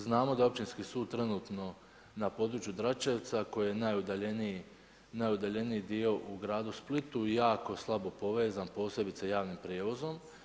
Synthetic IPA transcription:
znaːmo̞d̪ao̞p̚t͡ʃinskisuːd̪̚t̪ɾe̞nuːt̪no̞ | napo̞d̪ɾut͡ʃjud̪ɾat͡ʃeʋt̪sako̞jijenajud̪aʎe̞nii | najud̪aʎe̞niid̪io̞ʔuɡɾaːd̪usplit̪ujaːko̞slˠabo̞po̞ʋe̞ːzanpo̞ːsje̞bit̪sejaːʋnimpɾjeːʋo̞zo̞m

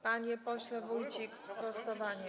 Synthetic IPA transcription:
paɲɛpɔɕlɛvuwt͡ɕikpɔst̪ɔvaɲɛ

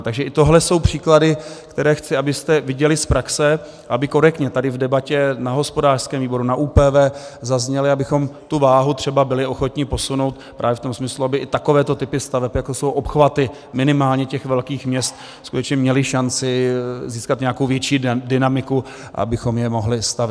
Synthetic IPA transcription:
t̪aɡʒɛʔɪt̪o̞ɦlɛso̞wpr̝̥iːkladɪkt̪ɛɾɛːxt͡sɪabɪst̪ɛvɪɟɛlɪspɾaksɛ | ʔabɪko̞ɾɛkt̪ɲɛt̪adɪvdɛbacɛnaɦo̞spo̞daːr̥skɛːmviːbo̞ɾunaʔuːpɛːvɛːzazɲɛlɪabɪxo̞mt̪uvaːɦut̪r̝̥ɛbabɪlɪʔo̞xo̞t̪ɲɪpo̞suno̞wt̪pɾʔaːvjɛft̪o̞msmɪsluabɪʔɪt̪ako̞vɛːt̪o̞t̪ɪpɪst̪avɛpjakosowʔo̞pxvat̪ɪ | mɪnɪmaːlɲɛcɛxvɛlkiːxmɲɛst̪ | skut̪ɛt͡ʃɲɛmɲɛlɪʃant͡sɪziːskat̪ɲɛakowvjɛt͡ʃiːdɪnamɪku | ʔa̰bɪxomjɛmoɦlɪst̪av

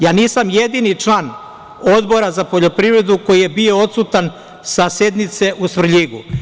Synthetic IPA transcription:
jaːniːsamje̞d̪init͡ʂlaːn | o̞d̪bo̞ɾazapo̞ʎo̞pɾivɾe̞d̪uko̞jije̞bio̞ot̪sut̪an | sase̞d̪nit̪se̞ʔusʋr̩ʎiɡṵ

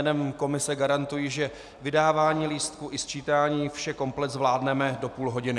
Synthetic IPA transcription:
nɛmko̞mɪsɛɡaɾant̪ujiʒɛ | vɪdaːvaːɲiːliːst̪kuʔɪst͡ʃiːt̪aːɲiːfʃɛko̞mplɛt̪zvlaːdnɛmɛdo̞puːlɦo̞ɟɪnɪ

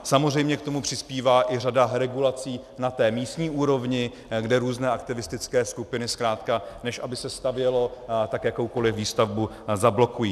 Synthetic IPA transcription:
samozrɛjmɲɛkt̪o̞mupr̥ɪspiːvaːʔɪr̝adaɾɛɡulat͡siːnat̪ɛːmiːst̪ɲiːʔuːɾo̞vɲɪ | ɡdɛɾuːznɛːʔakt̪ɪvɪst̪ɪt͡skɛːskupɪnɪskɾaːt̪kanɛʃʔabɪsɛst̪avjɛlo̞t̪akjakowko̞lɪfviːst̪avbu | zablo̞kujiː

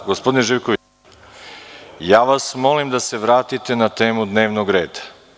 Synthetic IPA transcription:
ɡospo̞d̪ineʒiʋkoʋi | jaːʋasmo̞limd̪ase̞ʋɾaːt̪it̪e̞nat̪e̞ːmud̪ne̞ːʋnoɡɾeːd̪ḁ

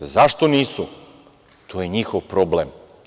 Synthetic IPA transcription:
zaʃt̪oniːsu | t̪ʰojeɲixoʋpɾoblem

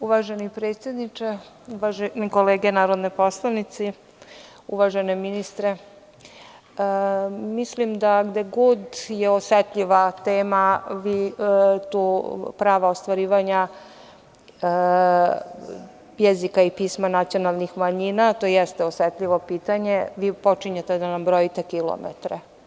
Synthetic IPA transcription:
uʋaʒenipɾet̪sjed̪nit͡ʂe | uʋaʒenikoleːɡenaːɾod̪nepo̞slˠaʋnit̪si | ṵʋaʒeneminist̪ɾe | mislimd̪aɡd̪eɡud̪jeoset̪ʎiʋat̪eːmaʋit̪uːpɾaːʋaost̪ʋaɾiːʋaɲa | jezikaipiːsmanat̪sijo̞nalˠnixmaɲinat̪ojɛst̪eosʋet̪ʎʲiʋo̞piːt̪aɲeʋiːpo̞t͡ʂiɲet̪ed̪anambɾojit̪ekilo̰mḛt̪ɾe

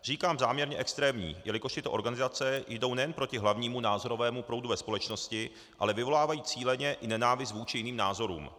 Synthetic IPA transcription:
r̝̥iːkaːmzaːmɲɛɾɲɛʔɛkst̪ɾɛːmɲḭːjɛlɪko̞ʃt̪ɪt̪o̞ʔo̞ɾɡanɪzat͡sɛjdo̞wnɛjɛnpɾo̞cɪɦlavɲiːmunaːzo̞ɾo̞vɛːmupɾo̞wduvɛspo̞lɛt͡ʃno̞scɪ | ʔa̰lɛvɪvo̞laːvajiːt͡siːlɛɲɛʔɪnɛnaːvɪs̬t̪vuːt͡ʃɪjɪniːmnaːzo̞ɾṵːm

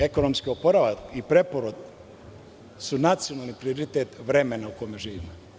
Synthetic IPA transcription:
e̞ko̞nomskiopoɾaʋakipɾe̞poɾod̪ | sunat̪sijonalˠnipɾioɾit̪et̪ʋɾe̞menaukojmeʒiːʋḭmo

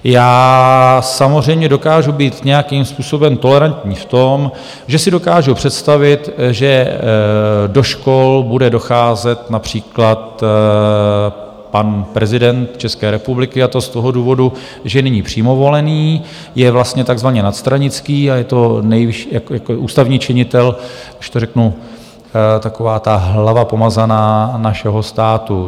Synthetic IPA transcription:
jaː | samozr̝ɛjmɲɛdo̞kaːʒubiːt̪ɲɛjakimspuːso̞bɛmt̪o̞lɛɾant̪ɲiːft̪o̞m | ʒɛsɪdo̞kaːʒupr̝̥ɛt̪st̪avɪt̪ʒɛ | do̞ʃkolbudɛdo̞xaːzɛt̪napr̝̥iːklat̪ | panpɾɛzɪdɛnt̪t͡ʃɛskɛːɾɛpublɪkɪat̪o̞st̪o̞ɦoduːvo̞du | ʒɛnɛɲipr̝̥iːmo̞vo̞lɛniː | jɛvlast̪ɲɛt̪aɡzvaɲɛnat̪st̪ɾaɲɪt͡skiːajɛt̪o̞nɛjvɪʃijakjakoʔuːst̪avɲiːt͡ʃɪɲɪt̪ɛl | ɪʃt̪o̞rɛknu | t̪akovaːt̪aɦlavapo̞mazanaːnaʃɛɦo̞st̪aːt̪u

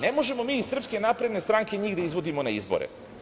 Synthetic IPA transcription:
nemo̞ʒe̞mo̞miːsr̩pske̞napɾe̞d̪ne̞st̪ɾaŋkeɲiːɣd̪aizʋo̞d̪imo̞naizbo̞̰ɾḛ

